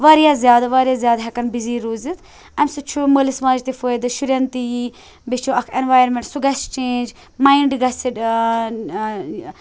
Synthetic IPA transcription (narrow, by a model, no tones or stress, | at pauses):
ʋaɾijazʲjaːd̪aʋaːɾjaːzjaːd̪ɦɐkɐnbiziːɾuːzit̪ʰ | ɐmsut͡ʃʰumoːlisɐmaːd͡ʒt̪ifoːjd̪ɨʃuɾjɐnt̪ii | bit͡ʃʰuɐkʰenʋaːjɾmeɳʈsuɡɐst͡ʃeːnd͡ʒ | maːiɳɖɡɐsiɖ